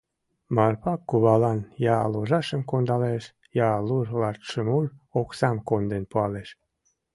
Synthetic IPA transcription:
mɑrpɑkːuβɑlɑnjɑloʒɑʃəmkond̪ɑleʃ | jɑluʒlɑt̪ʃəmuloksɑmkond̪enpuɑleʃ

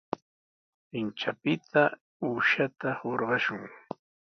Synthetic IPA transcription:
pɪnt͡ʃapɪt̪ʰa | uːʃat̪ahoɾɢɑʃʊŋ

